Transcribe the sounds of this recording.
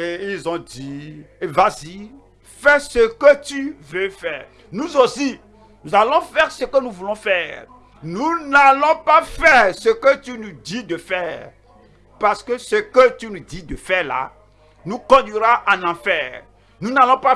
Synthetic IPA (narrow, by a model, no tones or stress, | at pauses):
eilzɔ̃d̪ievazi | fɛsəkət̪yvøfɛːʁ | nũzosi | nuzalɔ̃fɛʁsəkənũvulɔ̃fɛːʁ | nũnalɔ̃pafɛʁsəkət̪ynũd̪id̪əfɛːʁ | paʁsə̥kəsəkət̪ynũd̪id̪əfɛla̰ | nũkɔ̃d̪ɥiɾaʔanãfɛːʁ | nũnalɔ̃pa